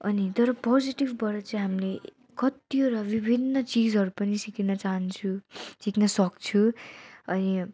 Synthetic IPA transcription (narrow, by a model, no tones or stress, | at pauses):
ʌ̰nit̪ʌɾʌpod͡ziʈibbʌɾʌt͡sʌĩɦamle | kʌt̪ijoɾʌbibʱinːʌt͡sid͡zɦʌɾupʌnisikinʌt͡saɦʌnt͡sʰusiknʌsʌkt͡sʰuʌni